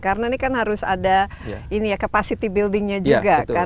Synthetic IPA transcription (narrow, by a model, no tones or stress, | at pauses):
kaɾənanikanɦaɾʊsa̰da | inijakapasit̪ibildɪŋɲad͡ʒuɡakka